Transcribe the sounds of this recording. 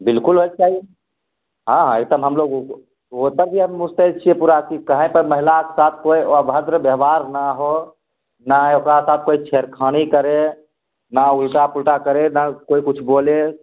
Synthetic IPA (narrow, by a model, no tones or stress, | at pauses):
bilkulɦot͡ʃt͡ʃaɦi | ɦãɦãek̚d̪əmɦəmloɡ | ot̪əɾbiɦəmːust̪et͡ʃʰiepuɾakikəɦə̃pəɾməɦilakesat̪ʰkoioabɦəd̪ɾəbəɦbaɾnaɦo | naokɾasat̪̚ʰkoit͡ʃʰeɾkʰəñikəɾe | naulʈapulʈakəɾenakoikut͡ʃʰbole